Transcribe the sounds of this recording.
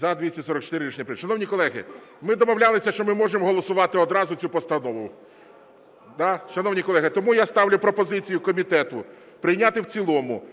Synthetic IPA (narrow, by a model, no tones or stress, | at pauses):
zɐd̪ʲʋʲisʲɐsɔɾɔk̚t͡ʃɔ̥t̪ɪɾɪit͡ʃnʲɐpɾɪʃɐnɔwnʲikɔlˠɛɦɪ̰mɪd̪ɔmɔwlʲalˠɪsʲɐʃt͡ʃɔmɪmɔʒemɔɦɔlˠɔsʊʋɑt̪ɪɔd̪ɾɑzʊt͡sʲupɔst̪ɐnɔʋʊ | d̪ɑʃɐnɔwnʲikɔlˠɛɦɪt̪ɔmujast̪ɑwlʲʊpɾɔpɔzɪt͡sʲijʊkɔmʲit̪ɛt̪ʊ | pɾɪjnʲat̪ɪwt͡sʲilˠɔmʊ̰